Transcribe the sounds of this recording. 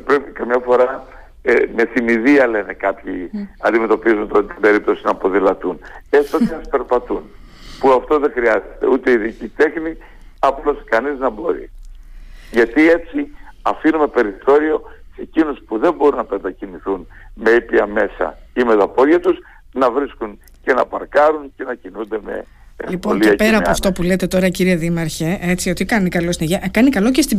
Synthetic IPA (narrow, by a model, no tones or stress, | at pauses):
pɾe̞pikɐmɲɐfo̞ɾɐ | eme̞θimiðiɐle̞ne̞kɐpçiɐnd̪ime̞t̪o̞pizunt̪t̪t̪ibe̞ɾip̚t̪o̞sinɐːpo̞ðilɐt̪unest̪ot̪espe̞ɾpɐt̪un | puɐft̪o̞ðe̞xɾiɐze̥t̪e̞̰ut̪e̞iðicit̪e̞xni | ɐploskɐniznɐbo̞ɾḭ | ʝɐt̪ie̞t͡siɐfinume̞pe̞ɾiθo̞ɾio̞se̞cinospuðe̞mbo̞ɾunɐpend̪ɐciniθunme̞ipiɐme̞sɐ̰imet̪ɐpo̞ðʝɐt̪us | nɐvɾiskun | ce̞nɐ̰pɐɾkɐɾuŋce̞nɐcinund̪e̞me̞̰ | lipooliɐpeɾɐːoɐft̪o̞pule̞t̪e̞t̪o̞ɾɐciɾieðimɐɾçeʔe̞t͡siot̪ikɐnikɐlo̞st̪ineʝkɐnikɐlo̞cest̪i